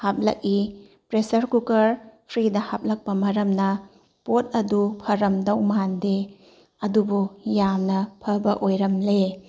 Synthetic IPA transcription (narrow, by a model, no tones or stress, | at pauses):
hap̚lɐ̰k̚i | pɾesɐɾkukɐɾpʰɾidɐhap̚lɐk̚pɐmɐɾɐmnɐ | potɐdupʰɐɾɐmdɐwmɐande | ɐdubujamnɐpʰɐbɐʔojɾɐmle